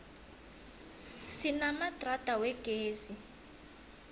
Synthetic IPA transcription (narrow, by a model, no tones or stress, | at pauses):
sinamatʼratʼawɛɡ̥ʼʱeːzi